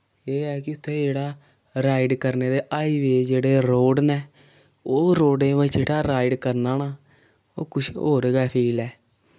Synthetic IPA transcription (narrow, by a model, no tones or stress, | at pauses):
eːɛːkɪʊt̪ʰːẽːd͡ʒeːɽaː | ɾaːiɖkəɾneːd̪eːʔaːiːʋeːd͡ʒeːɽeːɾoːɖnɛː | oːɾoːɖẽːʋət͡ʃeːʈaːɾaːiɖkəɾnaːnaː | o̰ːkʊʃʰo̰ːɾeːɡaːpʰiːlɛː